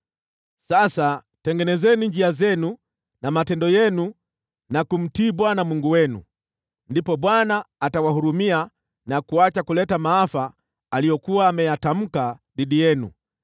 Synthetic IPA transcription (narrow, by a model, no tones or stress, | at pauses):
sasa | tɛŋɡɛnɛzɛniɲd͡ʒiazɛnu | namatɛndɔjɛnu | nakum̩tiːɓwanamuŋɡuwɛnṵ | ndipɔɓwanaːtawahuɾumia | nakuat͡ʃakulɛtamaafaː | lijɔkuwaːmɛjatam̩kaɗiɗijɛnṵ